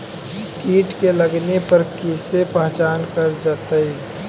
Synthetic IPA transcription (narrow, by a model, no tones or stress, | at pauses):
kiːʈkeləɡnepəɾkisepəɦt͡ʃaːnkəɾd͡ʒat̪əi